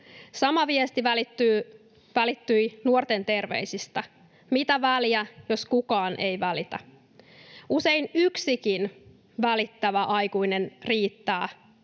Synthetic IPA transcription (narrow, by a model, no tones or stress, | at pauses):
sɑmɑʋiest̪iʋælit̪ːy | ʋælit̪ːyjnuort̪e̞nt̪e̞rʋḛjsist̪æ | mit̪æʋæljæjo̞skukɑːnʔe̞jʋælit̪æ | use̞inyksikin | ʋælit̪ːæʋæʔɑjkuinenriːt̪ːæː